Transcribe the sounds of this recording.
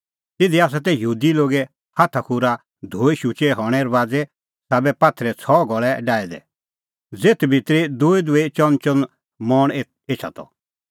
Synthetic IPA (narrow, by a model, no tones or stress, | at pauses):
t̪ɪd̪iaːs̬at̪̬ɛjuːd̪iloːɡɛ | hat̪ʰakʰuɾa | d̪ʱoːiʃut͡ʃɛɦɔɽ̃ɛɾʋaːd͡zɛ | saːbɛpaːt̪ʰɾɛt͡sʰɔːɡɔɭɛɖaːɛd̪ɛ̰ | d͡zeːt̪ʰbʱit̪ɾid̪ʊːid̪ʊet͡ʃɔnt͡ʃɔn | mɔɽ̃ | eːt͡ʃʰa̰t̪ʰɔ̰